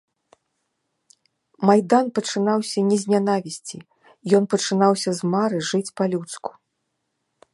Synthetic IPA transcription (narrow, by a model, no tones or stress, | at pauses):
majd̪anpɐt͡ʂɨnawsʲɐnʲɛzʲnʲan̪avʲisʲt͡sʲi | jɔnpɐt͡ʂɨnawsʲɐzmaɾɨʐɨt͡sʲpɐlʲut̪sku̥